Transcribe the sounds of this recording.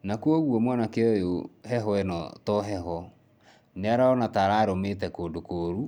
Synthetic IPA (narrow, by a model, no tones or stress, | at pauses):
nakwɔɣwɔmwanakeɔjoɦɛɦɔɛnɔ̰tɔɦɛɦɔ | neaɾaɔnataɾaːɾometɛkoːdokoːɾu